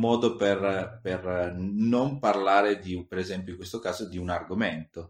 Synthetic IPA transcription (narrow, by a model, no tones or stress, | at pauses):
mɔːd̪operpernomparlaːɾed̪ipeɾezɛmpjoiŋkwest̪okaːzod̪iunarɡoment̪o